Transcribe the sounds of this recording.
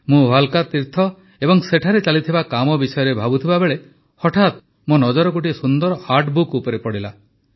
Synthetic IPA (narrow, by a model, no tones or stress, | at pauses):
mũɦalkat̪iɾt̪ʰɔ | ebɔŋseʈʰaɾet͡ʃalit̪ʰibakamɔbisɔjɔɾebʱabut̪ʰibabeɭe | hɔʈʰat̪̚ | monɔd͡ʒɔɾɔkoʈ̬isund̪ɔɾɔhaɾʈbukupɔɾepɔɽila